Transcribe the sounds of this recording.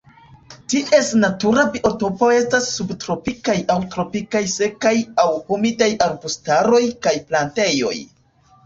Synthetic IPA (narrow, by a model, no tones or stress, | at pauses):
tiʔe̞snatuɾabiʔo̞to̞po̞e̞stasːubtɾo̞pikajawtɾo̞pikajse̞kajawhumidajaɾbustaɾo̞jkajplante̞jo̞̰j